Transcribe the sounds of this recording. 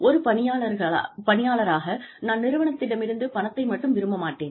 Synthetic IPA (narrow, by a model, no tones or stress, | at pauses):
ʔɔɾɯpɐnɪjaːɭɐɾɣɐɭ̰pɐɳɪjaːɭɐɾaːɣɐnaːnnɪɾɯʋɐɳɐt̪ːɪɽɐmɪɾɯnd̪ɯpɐnɐt̪ːɐɪmɐʈːɯmʋɪɾɯmbɐmaːʈːeːn